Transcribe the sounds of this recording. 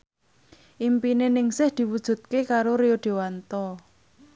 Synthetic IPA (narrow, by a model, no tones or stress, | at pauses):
ʔimpinenɪŋsɪhd̪̥i̤wud̥ʒ̥ṳt̪̚kekaɾoɾeoɖ̪̥e̤want̪ɔ